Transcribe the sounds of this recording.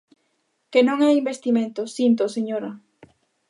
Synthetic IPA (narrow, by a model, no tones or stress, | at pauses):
kenõŋajimbest̪imẽnt̪osint̪̬oseɲoɾɐ